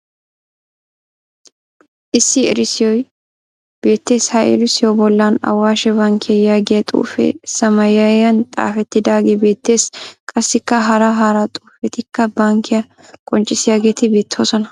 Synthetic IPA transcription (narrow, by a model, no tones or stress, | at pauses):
ʔɪsːɪɛ̰ɾɪsɪjɔj | b̥e̞ːt̪ːe̞ːshɐʔḛlɪsɪjɔbɔlːɐnɐ̰wːaːʃɛbɐŋkʰɪjɐjaːɡɪjɐt̪ʼṵːfɛ̰sɐmɐjɐjɐnt̪ʼa̰ːfɛt̪ːɪd̪aːɡeːbe̞ːt̪ːe̞ːskʼɐsːɪkːɐɦɐɾɐɦaɾɐt̪ʼuːfɛt̪ɪkːɐbɐŋkːɪjɐ | kʼɔnt͡ʃʼːɪsɪjaːɡe̞ːt̪ɪbe̞ːt̪ʰːo̞ːsɔnɐ